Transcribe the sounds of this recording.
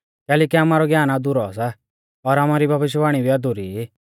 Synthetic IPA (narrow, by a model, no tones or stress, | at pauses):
kɛːlɛːkiamaːɾɔɡjaːnad̪ʊɾɔas̬a | ɔɾaːmaɾibʱɐbɪʃ̬jbaːɽ̃ibʱiad̪ʊɾiːi